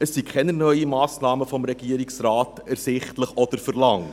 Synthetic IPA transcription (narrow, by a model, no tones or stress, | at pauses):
əsːikʰχɛnənœʏimɑːsnɑːməfɔmɾɛɡ̥iːəɾiksrɑːtæɾsɪχtləχɔd̥əɾfəɾlɑŋ